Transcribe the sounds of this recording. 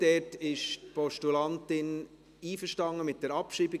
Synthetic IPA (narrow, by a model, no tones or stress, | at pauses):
d̥ɛtɪʃtpɔʃtulɑntɪn | iːfəʃtɑŋːəmɪt̚d̥ɛɾɑpʃiːbi